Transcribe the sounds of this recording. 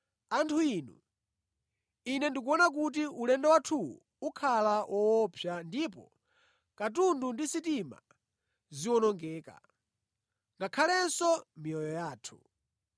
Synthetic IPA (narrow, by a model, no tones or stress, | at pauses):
antʰuinu | inɛndikuɔnak̬ut̬iʔulɛndɛwatʰuwṵ | ukʰalawʔɔwɔpʰjandipɔ̰ | kat̬undundisitima̰ | ziwɔnɔŋɡɛːka̰ | ŋɡakʰalɛnsɔmiɔjɔjaːtʰu̥